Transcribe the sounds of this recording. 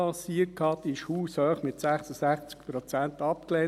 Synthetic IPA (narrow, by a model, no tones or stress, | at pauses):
ɑsiət̚khɑt̪ɪʃhuːshœːχmɪt̪sæχsəsæχt͡skpɾɔt͡sænt̪ɑpklɛː